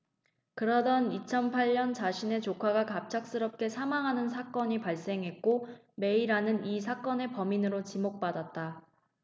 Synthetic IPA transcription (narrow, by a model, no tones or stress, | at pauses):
kɯɾʌdʌnit͡ɕʰʌnpʰaʎɲʌnt͡ɕaɕʰine̞t͡ɕokʰaɡakap̚t͡ɕʰak̚s͈ɯɾʌp̚k͈e̞sʰamaŋɦanɯnsʰak͈ʌɲipaɭs͈e̞ŋɦe̞t̚k͈o | me̞iɾanɯnis̬ʰak͈ʌne̞pʌminɯɾot͡ɕimok̚p͈adat̚t͈a